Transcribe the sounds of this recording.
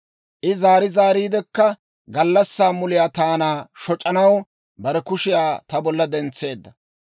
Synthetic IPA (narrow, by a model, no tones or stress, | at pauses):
ʔɪzaːɾɪzaːɾiːd̪ɛkːɐ | ɡɐlːɐsːaːmʊlɪjaːt̪aːnaːʃɔt͡ʃʼːɐnɐw | bɐɾɛkʊʃɪjaːt̪ɐbɔlːɐd̪ɛnt͡sːe̞ːd̪ːɐ